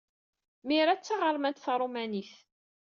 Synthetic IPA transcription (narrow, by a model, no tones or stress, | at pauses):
miɾat͡sːaʁəɾˤmænt̪θɾˤomæniθ